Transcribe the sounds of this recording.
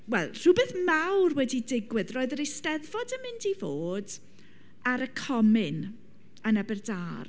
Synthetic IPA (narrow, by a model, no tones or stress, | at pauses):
wɛlˠr̥ʊbeθmawrwɛdidɪɡwɨðroːɨðəɾestɛðvɔdəmɪndivoːd | aɾəkʰɔmɪn | ənabɛrdaːr